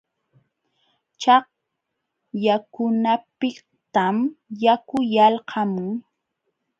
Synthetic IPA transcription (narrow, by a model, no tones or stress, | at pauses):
t͡ʃɑq̚ | jakʊnapɪ | t̪amjakʊjalhʰɑmʊŋ